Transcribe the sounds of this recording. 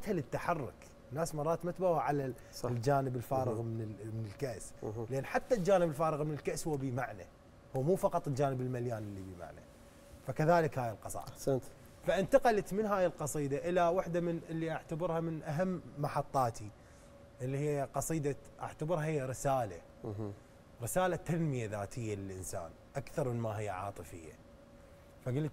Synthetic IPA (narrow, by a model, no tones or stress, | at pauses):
at̪halət̪ːaħɑrːʊ̰k | nːaːsmɑrˤːɑːt̪mat̪bawaʕala | ld͡ʒaːnəbɪlfaːɾɪɣmɪnmɪnɪlkaʔslʔaːnːħat̪ːald͡ʒaːnəbɪlfaːɾɨɣmɪnɪlkaʔshʊwːabimaʕna̰ | hʊwːmuːfɑqɑt̪ˤɪld͡ʒaːnəbɪlmaljaːnʔɪlːibima̰ʕna̰ | fakaðaːlɪkhaːjɪlqɑsˤɑ̰ːd̪sant̪ | faʔɪnt̪aqɑlat̪mɪnɦaːjɪlqɑsˤiːd̪aʔɪlawaħd̪amɪnʔɪlːiʔaʕt̪abɪɾhamɪnʔaɦamːɑħɑt̪ˤːɑːt̪ʰi | ʔɪlːihɪjːaqɑsˤiːd̪aʔa̰ʕt̪abɪɾhahɪjːaɾɪsaːla̰ | ɾɪsaːlat̪ːanmɪjaðaːt̪ʰɪjːalɪlʔɪnsa̰ːn | ʔakθɑɾˤmɪnmaɦɪjːaʕɑ̰ːt̪ˤɨfɪ̰jːa̰ | faɡʊlt̪